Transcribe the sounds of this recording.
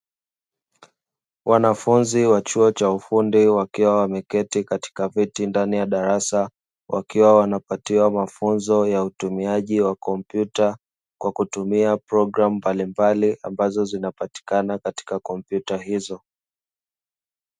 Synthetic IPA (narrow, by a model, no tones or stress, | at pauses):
wʔanafunziwat͡ʃuɔt͡ʃaufundiwakiwawamɛkɛtikati̥kavitindanijaɗaɾasa | wʔa̰kiwawanapatiwamafunzɔjautumiaʄiwakɔmpjuta | kwakutumiapɾɔɡɾamumbalimbaliʔa̰mbazɔzinapati̥kanakati̥kakɔmpjutahizɔ